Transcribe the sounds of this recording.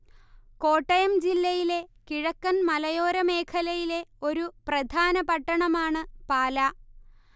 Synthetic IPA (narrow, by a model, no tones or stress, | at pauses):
ko̞ːʈːɐjɐmd͡ʑilːɐjile̞kiɻɐkːɐnmɐlɐjo̞ːɾɐme̞ːkʰɐlɐjile̞o̞ɾuprɐd̪ʱaːnɐpɐʈːɐɳɐmaːɳɨpaːlɐ